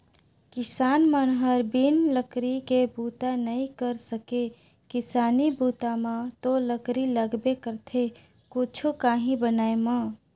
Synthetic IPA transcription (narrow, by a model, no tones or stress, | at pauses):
kɪsaːnmənɦəɾbinləkɾikebut̪anəĩkəɾsəke | kɪsaːnibut̪amãt̪oləkɾiləɡbekəɾt̪ʰe | kut͡ʃʰukaːɦĩbənaːemã